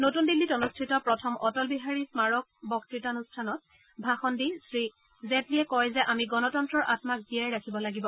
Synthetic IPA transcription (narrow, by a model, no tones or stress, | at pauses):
notundilːitɔnustʰitɔpɹɔtʰɔmʔɔtɔlbiɦaɹismaɹɔk̚bɔktɹitanustʰanɔt̚ | bʱaxɔndisɹi | zetliɛkɔjzɛʔamiɡɔnɔtɔntɹɔɹʔatmak̚diajɹakʰibɔlaɡibɔ